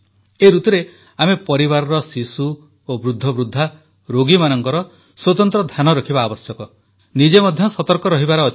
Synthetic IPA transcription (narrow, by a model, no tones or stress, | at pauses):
eɾut̪uɾe | amepɔɾiβaɾɔɾɔsisu | obɾud̪ʱːɔbɾud̪ʱːa | ɾoɡimanɔŋkɔɾɔ | swɔt̪ɔnt̪ɾɔd̪ʱanɔɾɔkʰibaːbɔsjɔkɔ | nid͡ʒemɔd̪ʱjɔsɔt̪ɔɾkɔɾɔɦibaɾɔː